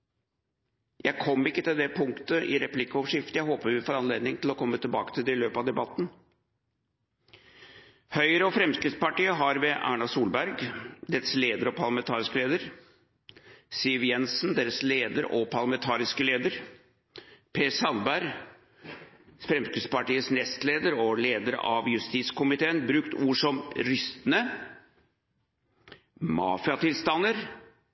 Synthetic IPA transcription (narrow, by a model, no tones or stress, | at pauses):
jæɪkʰɔmːɪkːət̪ɪld̪ɛpʰʊŋkt̪əʔɪ̰ɾɛplɪkːəɔʋʂɪft̪jæɪɦoːpəɾʋɪfoːɾɑnleːd̪nɪŋt̪ʰɪlɔkʰɔmːət̪ʰɪlbɑːkət̪ʰɪld̪ɛɪløːpɑʋd̪ɛbɑt̪ːn̩ | hœʏɾəɔfɾɛmskɾɪt̪spɑʈiːəɦɑɾʋɛʔæ̰ːɳɑsuːlbæɾɡd̪eːɾəsleːd̪əɾɔpʰɑɾlɑmɛnt̪ʰɑːɾɪskəleːd̪əɾ | sɪʋjɛnsnd̪eːɾəsleːd̪əɾɔpʰɑɾɭlɑmɛnt̪ʰɑːɾɪskəleːd̪əɾ | pʰeːsɑlbæɾ | fɾɛmskɾɪt̪spɑʈiːəsnɛst̪leːd̪əɾɔleːd̪əɾ̰ʔɑ̰ʋjʉst̪iːt̪skʊmɪt̪ʰeːənbɾʉkt̪uːʂɔmɾʏst̪ənə | mɑ̰ːfɪɑt̪ɪlst̪ɑnːəɾ